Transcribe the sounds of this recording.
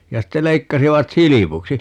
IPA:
jɑ ste leikːɑsiʋɑt silipuksi

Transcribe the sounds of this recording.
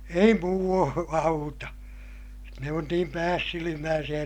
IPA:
ei muː ɑutɑ ne on niːm pæːsːilimæːsij̆æ

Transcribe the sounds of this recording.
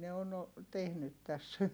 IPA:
ne on o tehnyt tæs

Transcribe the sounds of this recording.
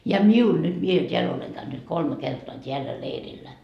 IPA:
jɑ miul nyt mie tʲeæl oleŋ kæynyt kolme kertoɑ tʲeælːæ leirilːæ

